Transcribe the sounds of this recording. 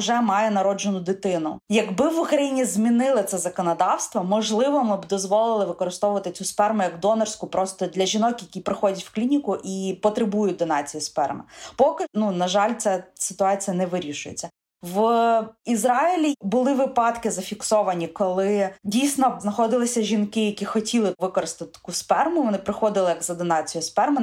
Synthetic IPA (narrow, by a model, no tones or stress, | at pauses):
ʒɛmɑjɛnɐɾɔd͡ʒenʊd̪ɪt̪ɪnʊ̰jɐɡbɪʋʊkɾɐjinʲizʲmʲinɪlˠɪt̪sɛzɐkɔnɐd̪ɑwst̪ʋɔmɔʒlˠɪʋɔmɪbd̪ɔzʋɔlˠɪlˠɪʋɪkɔɾɪst̪ɔʋʊʋɐt̪ɪt͡sʲuspɛrmʊjɐɡd̪ɔnɛrsʲkʊpɾɔst̪ɔd̪lʲɐʒʲinɔkjɐkʲijpɾɪxɔdʲɐtʲw̥klʲinʲikʊʔipɔt̪ɾɪbujʊt̚ʲd̪ɔnɑt͡sʲijispɛ̰rmɪ̰pɔkɪnunɐʒɑlʲt͡sʲasɪ̥t̪ʊɑt͡sʲijɐnɛʋɪɾʲiʃʊjḛt͡sʲːɐ | ʋ | izɾɑilʲibʊlˠɪʋɪpɑt̪kɪzɐfʲiksɔʋɐnʲikɔlˠɪdʲijsʲnɔznɐxɔd̪ɪlˠɪsʲɐʒʲinkɪjɐkʲixɔtʲilˠɪʋɪkɔɾɪst̪ɪt̪ɪkuspɛrmʊʋɔnɪpɾɪxɔd̪ɪlˠɪjɐkzɐd̪ɔnɑt͡sʲijʊspɛrmɪ